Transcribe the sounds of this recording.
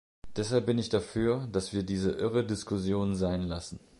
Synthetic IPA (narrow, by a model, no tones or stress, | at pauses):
d̥ɛshalp̚b̥ɪnɪçd̥afyːɐd̥asv̥iːɐdiːzəʔɪʁədɪskʰʊsjoːnzaɪnlasn̩